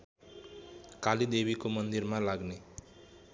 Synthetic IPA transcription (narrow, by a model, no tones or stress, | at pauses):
kalid̪ebikomʌnd̪iɾmalaɡne